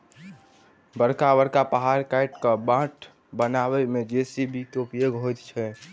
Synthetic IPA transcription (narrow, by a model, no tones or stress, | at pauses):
bəɾkabəɾkapəɦaɾkajʈkəbãʈ | bənabɛmed͡ʒesibʱit̪opieɡɦojt̪t͡ʃʰɛ